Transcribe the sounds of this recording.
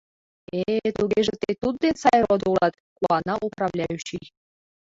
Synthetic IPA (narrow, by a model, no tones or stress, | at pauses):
et̪uɣeʒet̪et̪ud̪̚d̪ensɑjɾod̪ulɑt̪̚ | kuɑnɑʔuprɑβlʲɑjyɕij